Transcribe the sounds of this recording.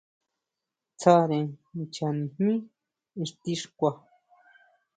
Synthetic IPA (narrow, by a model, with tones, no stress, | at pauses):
t͡sʰa˧ɾẽ˨˧t͡ʃa˨nĩ˨hmĩ˦ | ĩ˧ʂt̪i˧ʂkʷa˧